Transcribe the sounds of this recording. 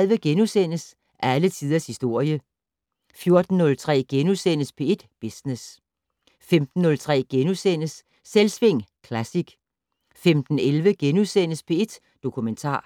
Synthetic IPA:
lˠʋəɡ̥enusen̰əs | ʔælət͡sʰið̞ˠɐshisd̥o̝ɐ̰jə | fjo̝ɐd̥n̩nːɔ̽lt͡sʰʁɛ̰ːɡ̥enusen̰əspʰee̝d̥b̥isnes | femd̥n̩ːɔ̽lt͡sʰʁɛ̰ːɡ̥enusen̰əsː | elsʋe̝ŋ̰kʰlæsiɡ̥ | femd̥n̩elʋəɡ̥enusen̰əspʰe̽e̝d̥ | d̥o̝kʰument͡sʰɑ̰̈ː

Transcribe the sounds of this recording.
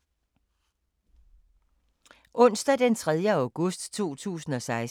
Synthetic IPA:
ʔɔ̽n̰sd̥æd̥ent͡sʰʁɛð̞ˠjəaʊɡ̥ɔsd̥t͡sʰo̝̰ːt͡sʰṵːsn̩ɒ̽sɑ̈ɪs

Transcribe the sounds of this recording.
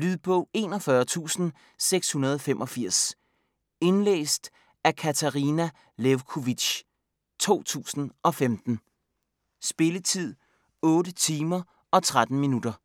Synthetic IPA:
lyðˠb̥ʰɔ̽ʊe̝ːnɒ̽fɶɐt͡sʰṵːsn̩ | seɡ̥shunɐð̞ˠɒ̽femʔɒ̽fiɐ̰s | e̝nlḛːsd̥ | ækʰæt͡sʰæʁinæ | leʊkʰoʋiɕ | t͡sʰo̝̰ːt͡sʰṵːsn̩ʔɒ̽femd̥n̩ | sb̥e̝lət͡sʰið̰ˠ | ɔ̽ːɾət͡sʰiːmɐ | ɒ̽t͡sʰʁad̥n̩minud̥ɐ

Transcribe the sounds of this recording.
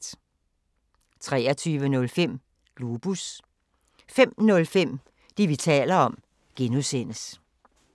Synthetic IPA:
t͡sʰʁɛːɐt͡sʰyːʋənɔ̽lfem̰ | lub̥us | fem̰nɔ̽lfem̰ | d̥iʋit͡sʰɛ̰ːlɐɒ̽m | ɡ̥enuðsen̰əs

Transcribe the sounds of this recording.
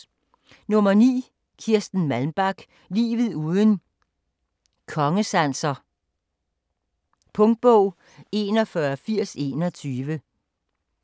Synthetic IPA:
nɔ̽mɐnḭː | kʰiɐ̰sd̥n̩mælmb̥æɡ̥ | lḭːʋð̩ˠuːð̞ˠən | kʰɒ̽ŋəsæn̰sɐ | pʰɔ̽ŋd̥̚b̥ɔʊ̰ | e̝nɒ̽fɶɐfiɐ̰se̝̰nɒ̽t͡sʰyːʋə

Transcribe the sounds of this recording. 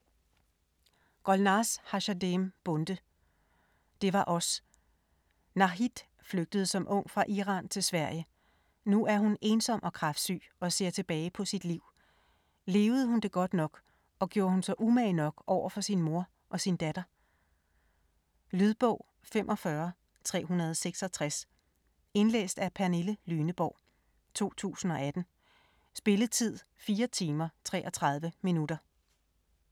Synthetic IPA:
ɡ̥ɒ̽lnɑːshɑɕædemb̥ɔ̽nd̥ə | d̥e̝ʋɑ̈ʔɒ̽s | nɑ̈ɦid̥ | fløɡ̥̚d̥əð̞̩ˠəsɒ̽mʔɔ̽ŋ̰fʁɑ̈ʔiʁɑ̰̈ːnt͡sʰe̝lsʋæɐ̰jə | nuʔæɐɦune̝ːnsɒ̽m̰ʔɒ̽kʰʁɑfd̥sy̰ːɒ̽se̝ɐ̰t͡sʰe̝b̥ɛːɪpʰɒ̽sid̥liʊ̰ | le̝ːʊð̞̩ˠəhund̥e̝ɡ̥ɒ̽d̥nɒ̽ɡ̥ | ɒ̽ɡ̥jo̝ːɐhunsɑɪʔumɛːnɒ̽ɡ̥ʔɒʊ̰ɐfɒ̽sinmo̝ɐ | ʔɒ̽sind̥æd̥ɐ | lyð̞ˠb̥ɔ̽ʊ̰ | femʔɒ̽fɶɐ | t͡sʰʁɛ̰ːɦunɐð̞ˠɒseɡ̥sɒ̽t͡sʰʁas | e̝nlḛːsd̥æpʰæɐneləlyːnəb̥ɒʊ̰ | t͡sʰo̝̰ːt͡sʰṵːsn̩ɒ̽æd̥n̩ | sb̥e̝ləð̩ˠt͡sʰið̞̰ˠfiːɐt͡sʰiːmɐt͡sʰʁɛ̰ːʔɒ̽t͡sʰʁɑ̈ð̞ˠʋəminud̥ɐ

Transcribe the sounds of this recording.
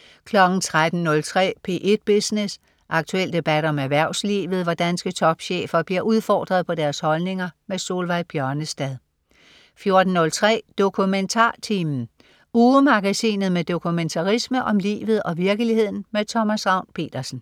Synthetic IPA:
kʰlɒ̽ɡ̥n̩t͡sʰʁad̥n̩nɔ̽lt͡sʰʁɛ̰ːpʰe̝̰ʔe̝d̥̚b̥isne̝s | ʔɑ̈ɡ̥̚t͡sʰuel̰d̥e̝b̥æd̥ɒ̽mæʋæɐ̰ʊslḭːʋð̩ˠʋɑd̥ænsɡ̥ət͡sʰɒ̽b̥ɕḛːfɐb̥liɐʔuð̞ˠfɒ̰ːd̥ʁɐð̞̩ˠpʰɒ̽d̥æɐshɒ̽lne̝ŋɐmeso̝ːlʋɑ̈ɪb̥jɶɐnəsd̥ɛð̞ˠ | fjo̝ɐd̥n̩ːɔ̽lt͡sʰʁɛ̰ːd̥o̝kʰument͡sʰɑ̰̈ːt͡sʰimn̩ | uːəmɑ̈ɡ̥æsḭːnð̩ˠmed̥o̝kʰument͡sʰɑ̈ʁisməʔɒ̽mlḭːʋð̞̩ˠɒ̽ʋiɐɡ̥əlihe̝ð̰ˠn̩met͡sʰɒ̽mæsʁɑ̈ʊ̰npʰe̝̰ːd̥ɐsn̩

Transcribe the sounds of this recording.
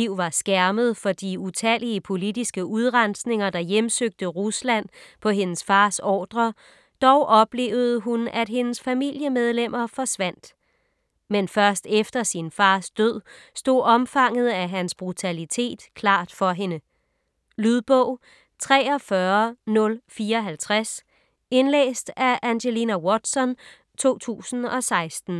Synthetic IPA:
iʊ̰ʋɑ̈sɡ̥æɐməð̞̩ˠfɒ̽d̥iut͡sʰæliəpʰo̝lid̥isɡ̥əʔuð̞ˠʁɑnsne̝ŋɐd̥ɑ̈jemsøɡ̥̚d̥əʁuslæn̰pʰɒ̽ɦe̝nəsfɑ̈ːsɒ̰ːd̥ʁɐ | d̥ɒʊʔɒ̽b̥le̝̰ːʊð̞̩ˠəɦunæd̥ɦe̝nəsfæmil̰jəmeð̞ˠlem̰ʔɐfɒ̽sʋæn̰d̥ | menfɶɐsd̥efd̥ɐsinfɑ̈ːsd̥øð̰ˠ | sd̥o̝̰ɒ̽mfɑ̈ŋ̰ð̞̩ˠæɦænsb̥ʁut͡sʰælit͡sʰe̝̰ːd̥kʰlɑ̰̈ːd̥fɒ̽ɦe̝nə | lyðˠb̥ɔʊ̰ | t͡sʰʁɛ̰ːɒ̽fɶɐnɔ̽lfiːɐɒɦælt͡sʰʁas | e̝nlḛːsd̥æʔænɕelinæwɒd̥sɒ̽n | t͡sʰo̝̰ːt͡sʰṵːsn̩ɒ̽sɑ̈ɪsd̥n̩

